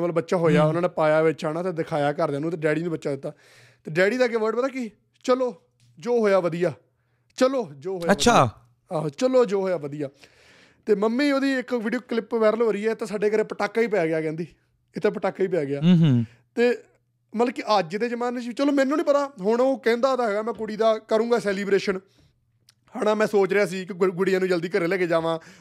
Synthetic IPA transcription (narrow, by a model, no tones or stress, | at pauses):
bəlbətːʃaːɦoːjaːʊnãːneːpaːjaːʋet͡ʃaːnaːt̪eːd̪ɪkʰaːjaːkəɾd̪jaːnũːt̪eɖɛːɽiːnũbətːʃaːd̪ɪt̪ːaː | t̪eːɖɛːɽiːd̪aːɡeːʋəɾɖpət̪aːki | t͡ʃəloː | d͡ʒoːɦoːjaːʋəd̪ijaː | t͡ʃəloːd͡ʒoːɦoːaʃʰa | aːt͡ʃəloːd͡ʒoːɦoːjaːʋəd̪ijaː | t̪eːməmːiːoːd̪iːɪkʋiːɖijoːklɪpʋɛːɾəlɦoːɾiːɛːt̪ẽːsaːɖeːkəɾẽːpəʈaːkːaːiːp̬əjaːɡɪjaːkɛ̃ːnd̪iː | ɪt̪ʰẽːpəʈaːkːaːiːp̬ejaːɡɪjaː | t̪eː | məlkiʔad͡ʒd̪eːd͡ʒəmaːnet͡ʃːt͡ʃəloːmɛ̃ːnːũːnĩːp̬ət̪aːɦʊɳoːkɛ̃ːnd̪aːoːd̪aːɦɛːɡaːmɛ̃ːkʊɽiːd̪aːkəɾũːɡaːsɛːliːbɾeːʃən | haɽaːmɛ̃ːsoːt͡ʃɾejaːs̬iːkɡʊɽijãːnũːd͡ʒəld̪iːkəɾeːlɛːkeːd͡ʒaːʋãː